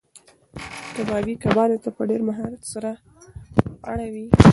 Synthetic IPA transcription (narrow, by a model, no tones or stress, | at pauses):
d̪abɑbikabɑlet̪apəɖeɾmaɦɑɾat̪saɾa | a̰ɽawi